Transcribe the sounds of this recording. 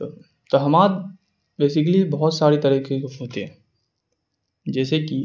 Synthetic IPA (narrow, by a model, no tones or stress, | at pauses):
t̪ɐɦɐmaːt̪ | beːsɪklibɐɦɔt̪saːɾet̪ɐɾiːkʰekoɦoːt̪eɦɛ̃ː | d͡ʒɛːseki